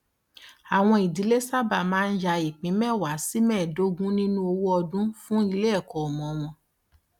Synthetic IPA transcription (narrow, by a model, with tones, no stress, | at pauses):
a˨w̃ɔ̃˧i˨di˨˦le˦sa˦ba˦˨mãː˦˧n̩˦ja˧i˨k͡pĩ˨˦mɛ̃˦˨wa˨˦si˦mɛ̃˦˨do˦ɡũ˦nĩ˦nũ˦o˧wo˦ɔ˧dũ˦fũ˦i˧le˦ɛ˦˨kɔ˨ɔ˨mɔ̃˨˦w̃ɔ̃˧